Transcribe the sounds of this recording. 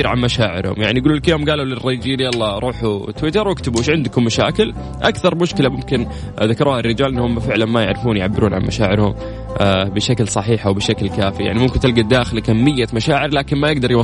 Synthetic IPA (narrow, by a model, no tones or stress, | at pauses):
ɾʕa̰nmaʃaːʕɪ̰ɾhʊ̰mjaʕnijɡuːluːlkjoːmɡaːlulɪrːɑjd͡ʒiːnjɑlˤːɑɾˤuːħut̪wɪt̪ɑɾˤwɪkt̪abuːʃʕɪnd̪kʊmːaʃa̰ːkɪl | ʔakθɑɾˤmʊʃkɪlamʊmkɪn | ðakɑɾˤuːharːɪd͡ʒaːlʔɪnːhʊmːɪfɪʕlanmajɪ̰ʕɾɪfuːnjʕabːɪɾuːnʕa̰nmaʃaːʕɪɾhʊ̰m | bɪʃaklsˤɑħiːħawbɪʃaklkaːfija̰ʕnimʊmkɪnt̪ɪlɡad̪aːxɪlkamːɪjːamaʃaːʕɪɾlaːkɪnmajɪɡ̚d̪ɑɾˤjwɑ